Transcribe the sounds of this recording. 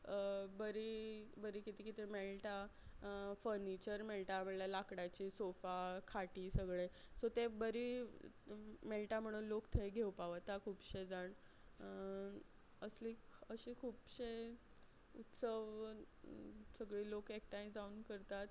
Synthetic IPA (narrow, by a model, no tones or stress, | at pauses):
bəɾibəɾiːkit̪iːkit̪emelʈa | fəɾnit͡ɕəɾmelʈam̤əɽlalakɽat͡ɕiːsofakʰaʈiːsəɡɭesot̪ebəɾi | melʈam̤əɽ̃uːnlokt̪ʰejɡʱewpaʋt̪akʰuːpɕed͡zaɳ | əsliəɕiːkʰuːpɕe | ut̪səʋ | səɡɭiːlokek̚ʈajd͡zauːnkəɾt̪at̪